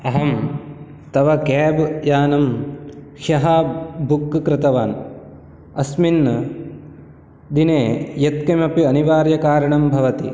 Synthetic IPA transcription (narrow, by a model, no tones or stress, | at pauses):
ɐɦɐm | t̪ɐʋɐkɛːbjaːnɐmkɐɦɐbukːkɾɪt̪ɐʋaːn | ɐsminːɐ | d̪ineːjɐt̪kɐmɐpiɐniʋaːɾjɐkaːɾɐɳɐmbʱɐʋɐt̪ḭ